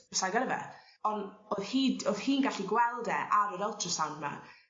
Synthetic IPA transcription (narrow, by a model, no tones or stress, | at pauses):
əsaɡaɾəvɛ̰ | ɔnoðhiːdoðhiːnɡaɬiɡwɛlˠdɛʔaɾəɾɔlˠtʰrɔsanma̰